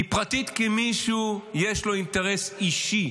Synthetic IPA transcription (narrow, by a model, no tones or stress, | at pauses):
ipʁat̪it̪kemiʃujeʃlo̞inteʁesiʃi